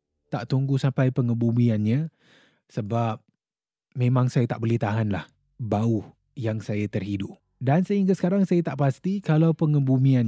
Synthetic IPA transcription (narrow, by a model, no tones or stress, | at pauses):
t̪aʔt̪uŋɡusampajpəŋəbumĩanɲa | səbap̚ | mẽmãŋsajat̪aʔbəlɛht̪aɦanlah | bauh | jaŋsajat̪ərhidʊp̚ | dansəhiŋɡasə̥kaɾaŋsajat̪aʔpast̪ikalawpəŋəbumĩan